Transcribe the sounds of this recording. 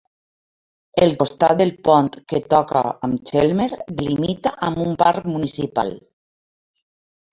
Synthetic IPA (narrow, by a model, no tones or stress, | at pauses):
elkost̪at̪̚d̪elpɔnt̪ket̪ɔka̰amt͡ʃelmeɾd̪elimit̪aʔamumpaɾkmunisipa̰l